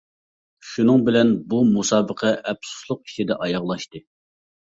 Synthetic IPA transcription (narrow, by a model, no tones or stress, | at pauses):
ʃunɨŋbɪlɛnbumusɑːbəqʰɛʔɛpsu̥slˠʊq̚i̥t͡ʃʰid̪ɛʔɑjɑʁlˠɑʃt̪ɨ